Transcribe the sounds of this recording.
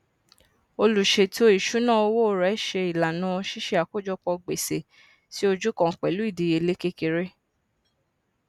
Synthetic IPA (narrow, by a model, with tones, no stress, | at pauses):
o˧lu˨ʃe˧ti˦o˧˦i˦˨ʃu˨˦nãː˦˨o˧wo˦˨ɾɛ˨˦ʃe˧i˨la˨nãː˨˦˧ʃi˦ʃe˧˦a˨ko˦d͡ʒɔ˦k͡pɔ˧ɡ͡be˨se˨ | ti˦o˧d͡ʒu˦kɔ̃˦˨k͡pɛ˨lu˨˦i˦˨di˨˧je˧le˦ke˦ke˧ɾe˦